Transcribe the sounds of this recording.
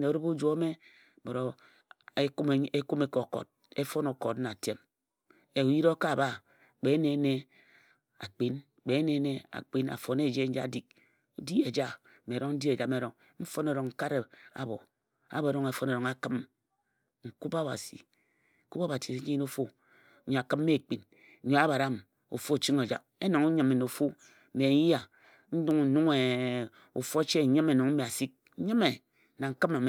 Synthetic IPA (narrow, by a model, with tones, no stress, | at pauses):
ne˨o˨ɾu˦bu˦d͡ʒʷo˦me˦˨ | bo˨ɾo˨ | e˦ke˦ku˦me˦ko˨ko̰˨t̚ | e˦fo˦no˨ko˨tna˨te˦m | e˨u˨ji˦ɾo˦ka˦˨ba˦ | k͡pe˨˦ne˦ne˦ | a̰˨k͡pi˦n | k͡pe˨˦ne˦ne˦a̰˨k͡pi˦na̰˨fo˨ne˦˨d͡ʒe˦n̩˦d͡ʒa̰˦˨di˨k̚ | o˨di˦e˨d͡ʒa˦˨ | me˨ɾo˦ŋn̩˦di˦e˨d͡ʒa˨me˨ɾo˨ŋ | m̩˦fo˦ne˨ɾo˨ŋ̩˨ka˦ɾe˨a̰˨bo˨ | a̰˨be˨ɾo˦ŋe˨fo˦no˨ɾo˨ŋa˦kɨ˦m | ŋ̩˨ku˦pa˦˨ba̰˨sḭ˨ | ŋ̩˨ku˦pa˦ba˨si˨˦i˦o˦fo˦ | ɲo˨a˨kɨ˦mː˦e˦˨k͡pi˨n̩˨ | ɲo˨a˦ba˨ɾa˦m˨ | o̰˨fo˦˨t͡ʃi˦ŋo˨d͡ʒa̰˨k̚e˦no˨ŋu˦ɲɨ˨me˨no˨fu˦˨ | me˨˦ja˨ | n̩˦du˦ŋ˨nu˦ŋe˨ | ṵ˨fo˦t͡ʃe˦˨ɲi˦me˨no˨ŋm̩˦me˨a˨si˦k̩̚˦ɲɨ˦me˨ | na˨ŋ̩˨kɨ˦ma˨me˨